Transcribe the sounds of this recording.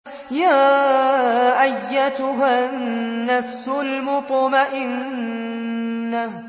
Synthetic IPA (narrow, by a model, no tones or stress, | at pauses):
jaː | ʔajːat̪ʊɦanːafsʊlmʊt̪ˤmaʔɪn | ah